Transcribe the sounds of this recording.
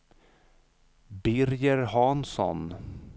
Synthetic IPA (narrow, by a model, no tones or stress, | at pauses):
bɪɾjəɾɦɑnsɔ̰n